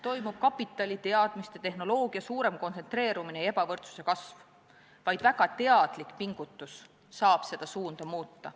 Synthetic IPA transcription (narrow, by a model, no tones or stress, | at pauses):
t̪o̞jmub̥̚kɑpːˑit̪ːˑɑlʲit̪e̞ɑd̪̥mist̪et̪e̞hno̞lo̞ːɡ̥iɑsuːɾe̞mko̞nse̞nt̪re̞ːɾuminee̞bɑvɤrt̪su̥se̞kɑsv | vɑjd̪̥væɡ̥ɑt̪e̞ɑd̪̥likpiŋɡ̥ut̪ːˑusː | ɑːb̥se̞d̪̥ɑsuːnd̪̥ɑmuːt̪ːɑ